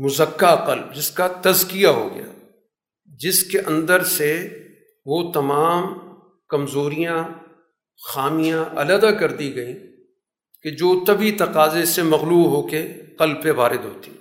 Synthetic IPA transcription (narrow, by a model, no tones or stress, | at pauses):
mʊzəkːaqɐlb̚d͡ʒɪskat̪ɐzkijaɦo̰ɡɐ̰ja̰ː | d͡ʒɪskeʔɐ̃nd̪əɾse | ʋot̪ɐmaːm | kɐmzoːɾijã | xaːmijãʔɐ̰ləd̪akɐɾd̪iɡɐĩ | ked͡ʒoːt̪ɐbit̪ɐqaːzesemɐɣluːɦoːkeqɐlbpẽʋaːɾɪd̪ɦo̰ːt̪i̥